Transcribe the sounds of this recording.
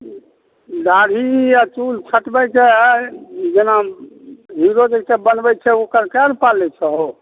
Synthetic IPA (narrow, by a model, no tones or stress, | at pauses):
daɽiat͡ʃult͡ʃʰəʈbɛt͡ʃɛ | d͡ʒena | ɦiɾod͡ʒesebənbɛt͡ʃʰɛokəɾkɛɾpalɛt͡ʃʰɛɦo